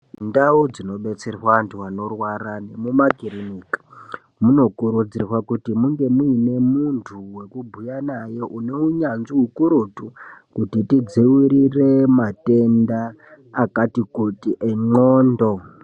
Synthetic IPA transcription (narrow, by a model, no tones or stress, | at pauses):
ndaud͡zino̞ɓe̞t͡serwantʰuwano̞rwaɾane̞mumakiriniːkḁ | muno̞kuɾud͡zirwakutimuŋɡe̞muine̞muntʰuwe̞kubʱujanaje̞ʔune̞uɲanziɦukuɾutukutitid͡ziwiɾire̞mate̞ndaː | katikutiʔeŋ͡ǃoːndo̞